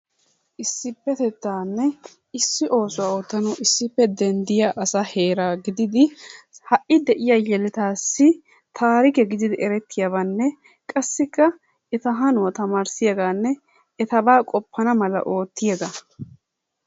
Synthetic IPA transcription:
ʔɪsːɪpːɛt̪ɛt̪ːaːnːɛ | ɪsːɪʔo̞ːsʊwaːoːt̪ːɐnɔʔɪsːɪpːɛd̪ɛnd̪ɪjaʔɐsaheːɾaːɡɪd̪ɪd̪ɪhɐʔɪd̪ɛʔɪjajɛlɛt̪aːsːɪ | t̪ʰaːɾɪkɛɡɪd̪ɪd̪ɪɛɾɛt̪ːɪjaβɐnːɛ | kʼɐsːɪkːɐ | ɛt̪ɐɦɐnʊwɐt̪ɐmaːɾsɪjɐɡaːnːɛ | ɛt̪ɐbaːkʼɔpːɐnɐmɐlɐ̰ʔo̞ːt̪ːɪjɐɡa

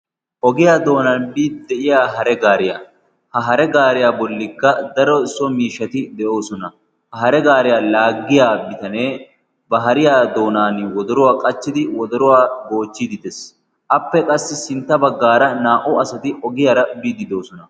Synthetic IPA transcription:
ʔɔɡɪjaːd̪o̞ːnaːnbiːd̪d̪ɛʔɪjaːɦɐɾɛɡaːɾɪja̰ | hɐɦɐɾɛɡaːɾɪjaːbɔlːɪkːɐd̪ɐɾɔɪsːɔmiːʃːɐt̪ɪd̪ɛʔo̞ːsɔnɐ | hɐɦɐɾɛɡaːɾɪjaːlaːɡːɪjaːbɪt̪ɐneː | bɐɦɐɾɪjaːd̪o̞ːnaːnwɔd̪ɔɾʊwaːkʼɐt͡ʃːɪd̪ɪwɔd̪ɔɾʊwaːɡo̞ːt͡ʃːɪd̪ɪd̪ɛs | ʔɐpːɛkʼɐsːɪsɪnt̪ːɐbɐɡːaːɾɐnaːʔʊɐsɐt̪ɪʔɔɡɪjaːɾɐbiːd̪ɪd̪o̞ːsɔnɐ

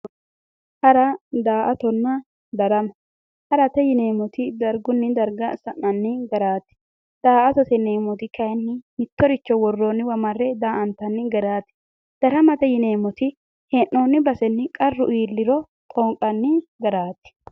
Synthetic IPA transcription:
hɐɾɐd̪aːʔɐt̪ɔnːɐ | d̪ɐɾɐmɐ | hɐɾɐt̪ɛjɪneːmɔt̪ɪd̪ɐɾɡʊnːɪd̪ɐɾɡɐsɐnːɐnːɪɡɐɾaːt̪ːɪ̥ | d̪̥aːʔɐt̪ɔt̪ɛneːmɔt̪ɪkɐjnːɪmɪt̪ːɔɾɪt͡ʃːɔwɔrːonːɪwɐmɐrːɛd̪aːʔɐnt̪ɐnːɪɡɐɾaːt̪ːɪ̥ | d̪̥ɐɾɐmɐt̪ɛjɪneːmɔt̪ɪ | henːoːnːɪbɐsɛnːɪkʼɐrːʊʔiːlːɪɾɔ | t̪ʼɔŋkʼɐnːɪɡɐɾaːt̪ɪ̥

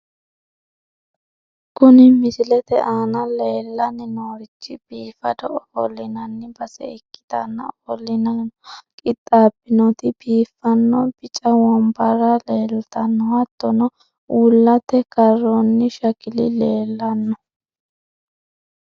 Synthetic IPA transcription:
kʊnɪmɪsɪlɛt̪ɛʔaːnɐle̞ːlːɐnɪnoːɾɪt͡ʃːɪb̥iːfɐd̪ɔʔɔhɔlɪnɐnːɪbɐsɛ̰ɪkːɪ̥d̪ɐ̰nːɐ̰ɔlɪnɐkʼɪt̪ʼːaːbɪnɔt̪ɪbiːfːɐnːɔbɪt͡ʃʼɐwɔmbɐrɐleːlt̪ɐnːɔhɐt̪ːɔnɔ | ulːɐt̪ːɛkɐrːɔnːɪʃɐkɪlɪ̰le̞ːlːɐnːɔ

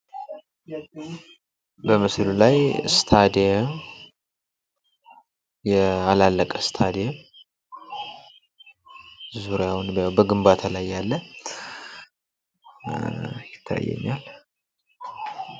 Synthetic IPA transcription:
bəmɨslulajst̪ʰad̪ijɛm | jɛalalːəkʼəst̪ʰad̪ijɛm | zuɾjawnbəɡɨmbat̪ʰalajːalːə | jɪt̪ʰːa̰jːɛ̰ɲːal

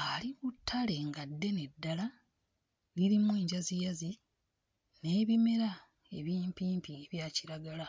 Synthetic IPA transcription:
aliβutʰːale̞ŋɡadːe̞ne̞dːala | liɾimwe̞ːɲɟazijazi | ne̞ːβime̞ɾa | e̞̰βiːmpiːmpieβjaːciɾaɡala

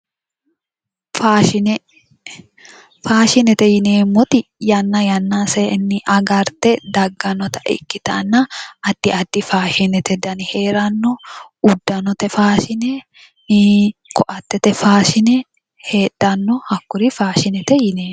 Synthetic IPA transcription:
faːʃɪnɛ | faːʃɪnɛt̪ɛjɪneːmːɔt̪ɪjɐnːɐjɐnːasenːɪʔɐɡɐɾt̪ɛd̪ɐɡːɐnɔt̪ɐ̥ʔɛ̰kːɪt̪ɐnːɐɐd̪̥ːɪɐd̪ːɪfaːʃɪnɛt̪ɛd̪ɐnɪheːɾɐnːɔʊd̪ːɐnɔt̪ɛfaːʃɪnɛ | kʰɔʔɐt̪ːɛt̪ɛfaːʃɪnɛ | heːᶑ̥ːɐnːɔhɐkːʊɾɪfaːʃɪnɛt̪ɛjɪneːm

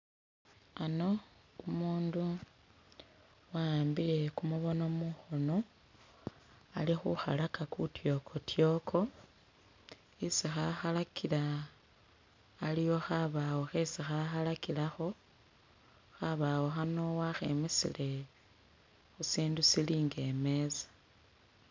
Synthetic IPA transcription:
ano̞umuːndu | wambile̞kumuβo̞no̞muxo̞no̞ | alixṵxa̰lakakutjo̞kʰo̞tjo̞kʰo̞ | isixaxalakʰila | lijo̞xaβawo̞xesixaxalakilaxo̞ | xaβawo̞xano̞waxe̞mesḭle̞ | xusiːndusiliːŋɡe̞me̞zḁ

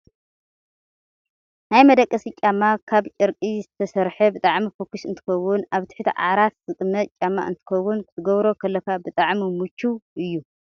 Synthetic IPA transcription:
najmɐd̪ɐkʼːɐsit͡ʃʼamːakʰaβt͡ʃʼɐɾkʼizɨt̪ʰɐsɐɾħɐbɨt̪ʼaʕmifokːuʃɨnt̪ʰɨ̥xɐwʊnaβt̪ʰɨ̥ħt̪ʰiʕa̰ɾat̪zɨt̪ʼɨmːɐt̪t͡ʃʼamːa̰ʔɨ̰nt̪ʰɨ̥xɐwːʊnkɨt̪ʰɨɡɐβɾo̞kʰɐlːɐkʰabɨt̪ʼaʕmimut͡ʃʰːuʔɨjːu

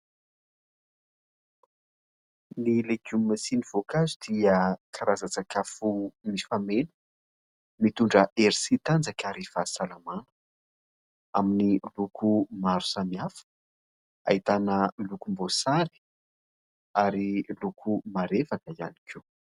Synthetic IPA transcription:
nileɡummːasiniv̥okazud̪̥iəkʰaɾazat͡sakʰafumifamenə̥ | mit̪uɳɖ͡ʐəʔeɾisit̪and͡zakaɾevasalamanə̥ | aminilukʰumaɾu̥samiafə̥ | a̰it̪anəlukumbosaɾi̥ | aɾilukʰumaɾefakəia̰nikʰiw

